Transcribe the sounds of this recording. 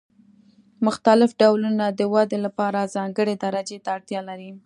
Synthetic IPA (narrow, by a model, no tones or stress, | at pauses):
mʊxt̪alɪfɖawlunad̪əwɑd̪elapɑɾazɑŋɡəɽed̪aɾad͡ʒet̪aːɽt̪jɑlaɾi